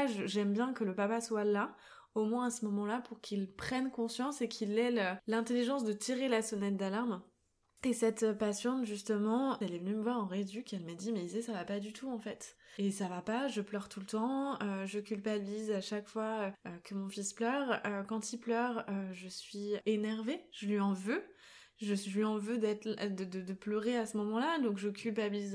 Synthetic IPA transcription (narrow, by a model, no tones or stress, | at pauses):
ʒəʒɛmbjɛ̃kələpapaswala | omwɛ̃asəmɔmɑ̃lapuʁkʰilpχɛnkɔ̃sjɑ̃sekʰilɛlølɛ̃t̪eliʒɑ̃sd̪ət̪ʰiʁelasɔnɛt̪̚d̪alaʁm | esɛt̪pasjɑ̃t̪ʒyst̪əmɑ̃ɛlɛvənyməvwaʁɑ̃ʁed̪ykɛlmad̪imɛizesavapad̪yt̪ʰuɑ̃fɛt̪esavapaʒəplœʁt̪ult̪ɑ̃øʒəkʲylpabilizaʃakfwaøøkəmɔ̃fisplœʁøkɑ̃t̪ilplœʁøʒəsɥienɛʁveʒ̥əlɥiɑ̃vø | ʒəslɥiɑ̃vød̪ɛt̪d̪əd̪əd̪əplœʁeasəmɔmɑ̃lad̪ɔ̃kʒəkʲylpabiliz